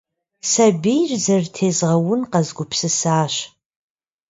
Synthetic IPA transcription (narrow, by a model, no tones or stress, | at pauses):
sabejrzɐrtʰeːzʁɐwʊnqazɡʷʊpʰsɨsaːʃ